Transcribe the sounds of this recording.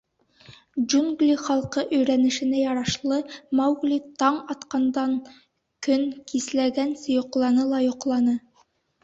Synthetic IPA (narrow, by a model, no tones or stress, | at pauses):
d͡ʒuŋɡlʲiχɑlˠqɤʔɵ̆jɾænɘ̆ʃɘ̆næjɑɾɑʃlˠɤmɑwɡlʲit̪ɑɴɑt̪qɑnd̪ɑŋ | kɵŋkislæɡænsɘ̆jŏqlˠɑnɤlˠɑjŏqlˠɑnɤ